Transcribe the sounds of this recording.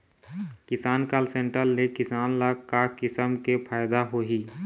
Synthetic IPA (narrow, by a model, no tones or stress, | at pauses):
kɪsaːnkaːlsẽɳʈəlːekɪsaːnlakkːakɪsəmkepʰaːɪd̪aɦoɦiː